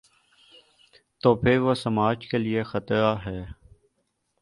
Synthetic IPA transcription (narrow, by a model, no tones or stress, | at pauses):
t̪oːpʰɪɾʋosəmaːd͡ʒkeliexət̪ɾaɦɛː